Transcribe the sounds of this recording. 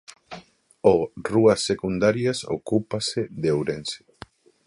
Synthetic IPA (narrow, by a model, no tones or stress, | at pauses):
oruɐsːekund̪aɾjaso̰kupaseðewɾense̥